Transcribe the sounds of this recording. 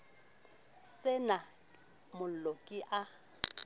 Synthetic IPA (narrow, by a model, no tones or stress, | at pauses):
sɪna | mʊokʼɪʔa